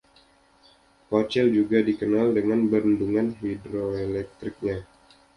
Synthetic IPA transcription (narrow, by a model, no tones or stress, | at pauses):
pot͡ʃɛld͡ʒuɡadikənaldəŋanbəɾənduŋanɦidɾoelɛk̚t̪ɾɪk̚ɲa